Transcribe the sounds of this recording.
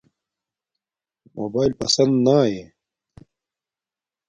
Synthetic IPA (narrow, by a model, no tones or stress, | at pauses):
mo̰ːbaːilpɐsɐnd̪naːjeː